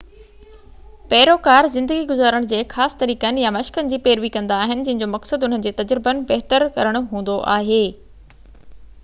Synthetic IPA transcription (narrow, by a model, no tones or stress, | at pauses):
pɛːɾokaːɾzɪ̃nd̪əɡiɡʊzaːɾəɽ̃d͡ʑeːxaːsɪ̥t̪ɐɾiːkənɪ̆jamɐʃkənɪ̆d͡ʑiːpeːɾʋikɐ̃nd̪aːɦɪnɪ̆d͡ʑɐ̃ɦɪ̃ɲd͡ʑomɐksəd̪ʊn̤ənɪ̆d͡ʑeːt̪ɐd͡ʑɾɪbənɪ̆bɐɦt̪əɾkɐɾəɽ̃ʊɦũːnd̪oʔaːɦeː